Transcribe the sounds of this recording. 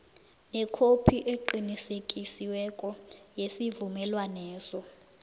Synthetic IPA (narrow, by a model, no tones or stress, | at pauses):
nɛkʰopʰiʔeǃinisekʼisiwɛkʼɔjesivumɛlwanɛːsɔ